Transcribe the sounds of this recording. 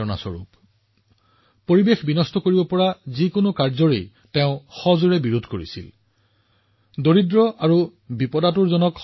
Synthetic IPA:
ɔna̰sɔ̰ɹṵp | poɹibexbinɔstɔkoɹibɔpɔɹazikonʊkaɹzɔɹḛj | teʊ̃xɔzuɹɛbiɹudʱkoɹḭsḭl | doɹidɹɔʔaɹubipɔdatuɹzɔnɔk

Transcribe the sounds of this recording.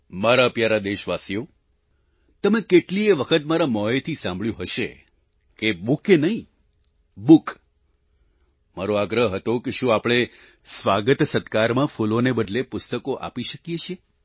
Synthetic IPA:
maɾaəpjaɾad̪eʃʋasijo | t̪əmekeʈlieʋəkʰət̪maɾamɔet̪ʰisãmbɭjũɦəʃe | kebukenəɦĩ | buk | maɾoaɡɾəɦɦət̪okeʃũapɽ̃e | sʋaɡət̪sət̪kaɾmãfulonebəd̪ʱlepʊst̪əkoʔa̰piʃəkijet͡ʃʰie

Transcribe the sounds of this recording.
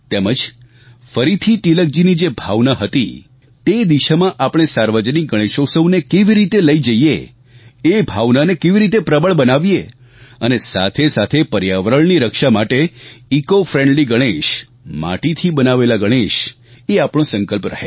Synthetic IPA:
t̪eməd͡ʒ | fəɾit̪ʰit̪ilək̚d͡ʒinid͡ʒebʱaʋnaɦət̪ḭ | t̪ed̪iʃamãʔapɽ̃esaɾʋəd͡ʒənik̚ɡəɽ̃eʃosəũnekeʋiɾit̪eləid͡ʒəiḛ | ebʱaʋnanekeʋiɾit̪epɾəbəɭbənaʋje | ənesa̰t̪ʰesat̪ʰepəɾjaʋɾəɭniɾəkʃamaʈeikofɾẽɳɖliɡəɽ̃eʃ | ma̰ʈit̪ʰibənaʋelaɡəɽ̃eʃ | eapɽ̃õsə̃ŋkəlpɾə̰ɦe

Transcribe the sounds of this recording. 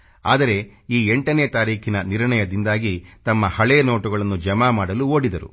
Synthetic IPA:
a̰ːd̪ɐɾe̞iːeɳʈɐneːt̪aːɾiːkʰinɐniɾɳɐjɐd̪ind̪aːɡit̪ɐmːɐhɐɭeːnoːʈuɡɐɭɐnːud͡ʒɐmaːmaːɽɐluo̞ːɽid̪ɐɾṵ

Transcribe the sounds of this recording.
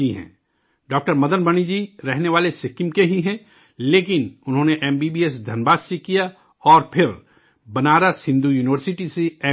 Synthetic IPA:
iɦɛ̰̃ː | ɖɔːk̚ʈəɾmɐd̪ənbɐñid͡ʒiːɾɛɦneʋaːlesɪkɪmkeɦiɦɛ̃ | leːkɪnʊnɦõːneʔɛːmbiːbiːes̬d̪ʱɐnbaːssikija | ɔːɾpʰɪɾ | bɐnaːɾasɪ̃nd̪ujuːnɪʋəɾsɪʈiseɛ

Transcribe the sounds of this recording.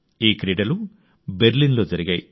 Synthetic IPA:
iːkɾiːɖɐlu | beɾlinlo̞ːd͡ʒɐɾiɡaːji

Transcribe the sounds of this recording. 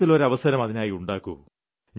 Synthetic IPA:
t̪ːilo̞ɾɐʋɐsɐɾɐmɐðinaːjiuɳɖaːkːu | ɲ

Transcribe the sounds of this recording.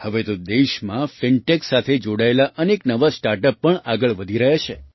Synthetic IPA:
həʋet̪od̪eʃmãfɪɳʈeksat̪ʰed͡ʒoɽaelaʔəneknəʋasʈaɾʈəpːəɳaɡəɭʋəd̪ʱiɾəɦet͡ʃʰe

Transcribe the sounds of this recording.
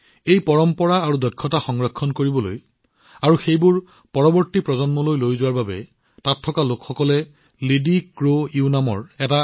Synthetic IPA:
ejpɔɹɔmpɔɹaːɹudɔkʰːɔtaxɔŋɹɔkʰːɔnkoɹibɔlo̰j | aɹuxejbʊɹ | pɔɹɔbɔɹtipɹɔzɔnmɔlojlojzʊwaɹbabɛ̰ | tatʰːɔkalokxɔkɔlɛ | lidikɹoiunamɔ̰ɹɛta

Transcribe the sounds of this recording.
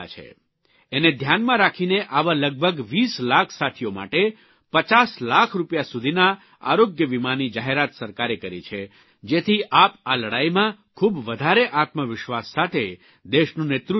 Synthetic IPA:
t͡ʃʰḛ | ened̪ʱjanmãɾakʰineʔaʋãləɡ̚bʱəɡʋislakʰsat̪ʰijoma̰ʈe | pət͡ʃaslakʰɾupjasud̪ʱina | a̰ɾoɡjəʋimanid͡ʒaɦeɾat̪səɾkaɾekəɾit͡ʃʰe | d͡ʒet̪ʰiʔapaləɽajmãkʰubʋəd̪ʱaɾeʔat̪məʋɪʃʋasːat̪ʰe | d̪eʃnũnet̪ɾu

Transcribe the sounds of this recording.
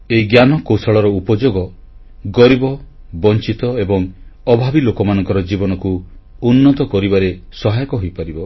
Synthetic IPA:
eiɡjanɔkowsɔɭɔɾɔupɔd͡ʒoɡɔ | ɡɔɾibɔ | bɔnt͡ʃit̪ɔebɔŋɔbʱabilokɔmanɔ̃ŋkɔɾɔd͡ʒibɔnɔku | unːɔt̪ɔkɔɾibaɾesɔɦajɔkɔɦojpaɾibɔ

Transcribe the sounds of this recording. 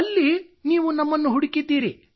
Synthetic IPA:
ɐlːiniːʋunɐmːɐnːuɦuɽikid̪iːɾi

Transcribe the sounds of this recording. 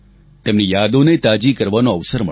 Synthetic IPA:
t̪emnijad̪onet̪ad͡ʒikəɾʋanoəʋsəɾmə

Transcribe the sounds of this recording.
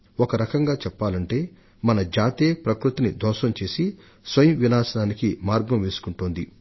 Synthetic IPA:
ɔkɐɾɐkɐŋɡaːt͡ʃɛpːaːlɐɳʈe̞ː | mɐnɐd͡ʒaːt̪eːpɾɐkɾut̪inid̪ɔːʃɐmt͡ʃe̞ːsi | sʋɐjɐmʋinaːsɐnaːnikimaːɾɡɐmʋe̞ːsu̥kuɳʈoːnd̪i

